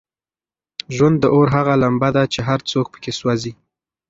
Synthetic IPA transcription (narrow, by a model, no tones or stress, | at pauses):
ʒwand̪ːəʔoɾɦaɣalambad̪at͡ʃeɦaɾt͡sok̚pə̥keswazi